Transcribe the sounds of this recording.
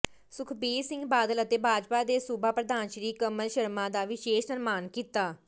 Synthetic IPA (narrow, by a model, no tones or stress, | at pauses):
sʊkʰbiːsɪ̃ŋɡbaːd̪ələt̪eːbʱaːd͡ʒpaːd̪eːsubaːpɾəd̪aːnʃəɾiːkəməlʃəɾmãːd̪aːʋɪʃeːʃsəɾmaːnkiːt̪aː